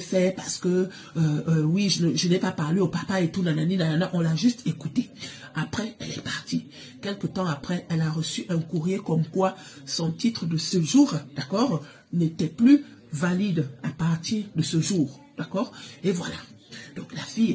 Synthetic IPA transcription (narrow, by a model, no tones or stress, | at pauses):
fɛpaʁsə̥kəː | wiʒənəʒənɛpapaʁleopapaet̪unananinananaʔɔ̃laʒyst̪ekut̪e | apχɛɛlɛ̰paʁt̪i | kʲɛlkət̪ɑ̃apχɛʔɛlaʁəsyʔɛ̃kuʁjekɔmkwa | sɔ̃t̪it̪χəd̪əsəʒuːʁd̪akɔʁ | net̪ɛply | valid̪apaʁt̪iʁd̪əsəʒuːʁ | d̪akɔːʁevwalad̪̥ɔ̃klafij